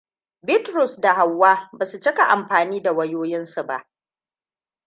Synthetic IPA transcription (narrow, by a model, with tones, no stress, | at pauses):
bɪ˦tɾʊ˨sda˨ha˨wːaː˦baː˨su˨t͡ʃɪ˦ka˨ʔa˨mɸaː˨niː˦da˨wɐ˦joː˦jɪ˦nsu˨ba̰˦ʔ